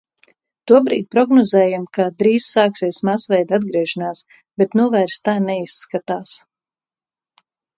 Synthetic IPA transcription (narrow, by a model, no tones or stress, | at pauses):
t̪uɔbɾiːd̪̚pɾɔɡnɔzɛːjamkad̪ɾiːzsaːksiɛsmasvɛjd̪ad̪ɡɾiɛʃanaːs | bɛt̪nuɔvæːɾst̪aːnɛisːkat̪aːs